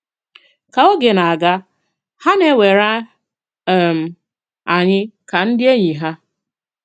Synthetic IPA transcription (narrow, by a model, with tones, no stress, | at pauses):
ka˨o˦ɡe˨na˨a˨ɡa˦ | ha˦ne˦we˨ɾa˦˨ | m̩˨ | a˨ɲɪ˦ka˨n̩˦dɪ˦e˦ɲi˨ɦa˦